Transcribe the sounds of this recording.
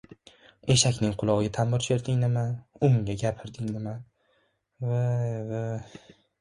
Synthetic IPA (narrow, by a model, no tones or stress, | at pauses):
e̞ʃakʲnɪŋqʰʊlˠɒʁɡʲat̪ʰamːɪɾʃeɾd̪ɪŋnɪmaʊŋɡʲaɡʲapʰɪɾd̪ɪŋnɪma | vava